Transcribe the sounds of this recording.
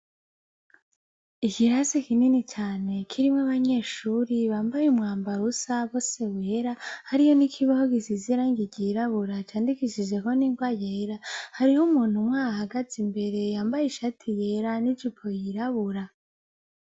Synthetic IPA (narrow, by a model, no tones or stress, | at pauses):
ikiɾasikininit͡ʃaːne̞kʰiɾimŋaβaɲe̞ːʃuːɾiβaːmbajumŋaːmbaɾusaβo̞se̞weːɾahaɾijo̞nikʰiβahoɡisiziɾaŋɡiɟiɾaβuɾat͡ʃaːndikiʃid͡ʒe̞ko̞niŋɡwaːjeɾahaɾihumuːn̥humŋaːhahaɡazimbe̞ɾe̞jaːmbajiʃatʰijeɾanid͡ʒupʰojiɾaβuɾa